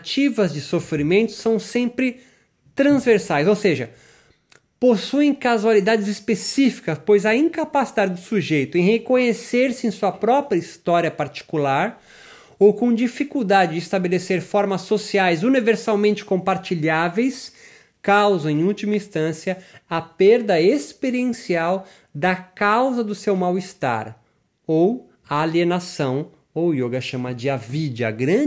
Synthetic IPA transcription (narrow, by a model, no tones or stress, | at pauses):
t͡ʃivɐzd͡ʒɪsofɾimẽnt̪ʊ̥sɐ̃w̃sẽmpɾɪ | t̪ɾɐ̃zveɾsajzowseʒɐ | posuẽj̃kazualid̪ad͡ʒɪzispesifi̥kɐspojzɐĩŋkapasid̪ad͡ʒɪd̪ʊsuʒejt̪ʊẽj̃hekõɲeseɾsɪẽsuɐpɾɔpɾɐist̪ɔɾiɐpaɾt͡ʃi̥kulaɾ | owkõd͡ʒifikuwd̪ad͡ʒɪd͡ʒɪst̪abeleseɾfɔɾmɐsːosiajzuniveɾsawmẽnt͡ʃɪ̥kõpaɾt͡ʃiʎavejs | kawzɐ̃ẽj̃ut͡ʃimɐĩst̪ɐ̃siɐːpeɾd̪ɐespeɾiẽsiaw | d̪ɐkawzɐd̪ʊsewmawist̪a̰ɾ | ow | aːlienasɐ̃w̃ | owjoɡɐʃɐ̃mɐd͡ʒɪavid͡ʒɐ̰ɡɾɐ̃